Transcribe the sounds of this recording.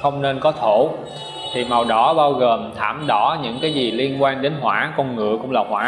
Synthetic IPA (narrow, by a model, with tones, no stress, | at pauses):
xə˧wŋ͡mne˧nkɔ˨˦t̪ʰo˧˩˨ | t̪ʰi˨˩ma˨˩wɗɔ˨˦ɓaː˧wɣəː˨˩mt̪ʰaː˧˩mɗɔ˧˥ɲɨ̰˧˥ŋkaː˨˦jzi˨˩li˧ənkwaː˧nɗe˨˦nɦwaː˧˩˥kɔ˧nŋɨ̰˧˨əkʊ̰˧˥ŋ͡mlaː˨˩hwaː˧˦